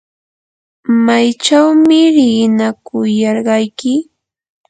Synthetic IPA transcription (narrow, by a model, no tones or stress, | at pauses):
majt͡ʃawmɪɾɪnakʊjɑɾɢɑjkɪ